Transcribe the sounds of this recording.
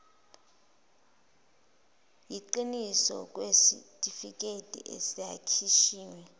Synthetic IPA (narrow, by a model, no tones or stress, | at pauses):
jiǃinisɔ̰k̬ʼwesḭtʼifik̬ʼetʼḭʔḛsija̰kʰiʃiːwɛ